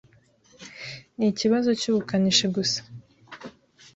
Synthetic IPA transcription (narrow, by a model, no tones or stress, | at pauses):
niciβazo̞cuːβukaniʃeɡusḁ